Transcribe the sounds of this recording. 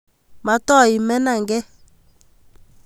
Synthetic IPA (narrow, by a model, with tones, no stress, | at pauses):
ma˨tɔ˦˨i˨mɛ˦na˨ŋɡɛ˦